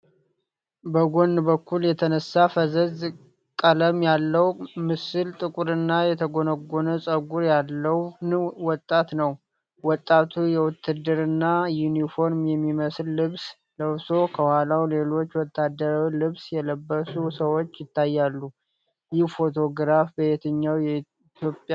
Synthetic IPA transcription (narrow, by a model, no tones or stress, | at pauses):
bəɡo̞nːbəkːuljɛt̪ʰənəsːafəzəz | kʼələmjalːəwmɨsɨlt̪ʼɨkʼuɾɨnːajɛt̪ʰəɡo̞nəɡonəsʼəɡuɾjalːəwwɔt̪ʼːat̪nəw | wɔt̪ʼːat̪ʰujɛwʊt̪ʰːɨd̪ɨɾɨnːajunifo̞ɾmjɛmːiməslːɨβs | ləβso̞kʰəwalawle̞lo̞t͡ʃːwɔt̪ʰːad̪əɾalɨβsjɛləbːəsusəwot͡ʃːjɪt̪ːajːalːu | jɪhfo̞t̪ʰo̞ɡɾafbəjet̪ʰəɲːawjɛi | t̪ʰjo̞pʼja